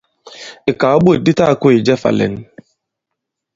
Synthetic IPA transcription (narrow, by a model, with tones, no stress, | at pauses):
ɪ˨ka˨ɔ˦ɓo˦e˨di˦ta˦˨kʊ˦i˨d͡ʒɛ˦fa̰˨lḛ˨n̩˦